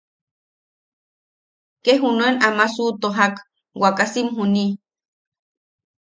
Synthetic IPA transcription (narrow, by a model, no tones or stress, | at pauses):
keɦunoenamasut̪oɦak | wakasimɦuni